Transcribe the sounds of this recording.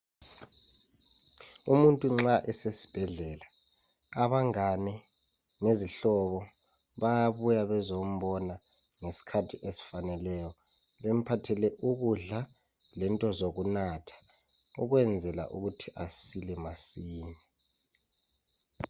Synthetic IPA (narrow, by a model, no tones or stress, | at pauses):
umuntʼuŋ͡ǁaʔɛsesi̥b̥ʱɛɮɛla | aβaŋanɛ | ŋeziɬɔβɔ | βajaβujaβɛzom̩ɓɔna | ŋesi̥kʰatʰiʔesi̥fanɛlɛjɔ | βem̩pʰatʰɛlɛʔuɣuɮa | lɛntʼɔzoɣunatʰḁ | uɣwɛnd͡zʱɛla̰ʔuɣutʰiʔasilɛmasiːɲa